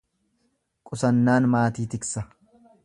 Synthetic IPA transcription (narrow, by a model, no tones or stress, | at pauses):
kʼʊsɐnːaːnmaːt̪iːt̪ɪksɐ